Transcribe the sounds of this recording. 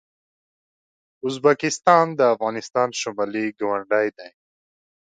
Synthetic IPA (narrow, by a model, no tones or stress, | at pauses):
ʊzbakɪst̪ɑnd̪əafɣɑnɪst̪ɑnʃʊmaliɡawaɳɖajd̪aj